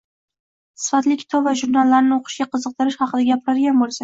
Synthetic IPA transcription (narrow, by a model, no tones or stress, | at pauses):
sɪ̥fat̪lɪkʲʰɪ̥t̪ʰɒvaʒuɾnalːaɾnɪoqʰɨ̥ʃɡʲaqʰɨzɨq̚t̪ɪɾɪʃhɑqʰɨd̪aɡʲapʰɪɾaɾɡʲanbolˠsa